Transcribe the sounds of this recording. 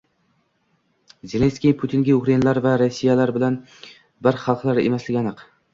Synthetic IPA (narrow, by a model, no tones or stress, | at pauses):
zelʲe̞nskʲijpʰʊt̪ʰiŋɡʲaʊkɾajinalaɾvaɾosːijalaɾbɪlan | bɪɾχɑlˠqlˠaɾḛmaslɪɡʲanɨq